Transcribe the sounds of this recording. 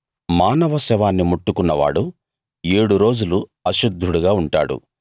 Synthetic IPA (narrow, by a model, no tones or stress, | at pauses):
maːnɐʋɐsɛʋaːnːimuʈːukunːɐʋa̰ːɽu | e̞ːɽuɾo̞ːd͡ʒuluɐʃud̪ʱːuɽuɡaːuɳʈa̰ːɽṵ